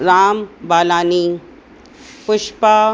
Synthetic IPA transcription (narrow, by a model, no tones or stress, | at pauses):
ɾaːmbaːlaːni | pʊʃpa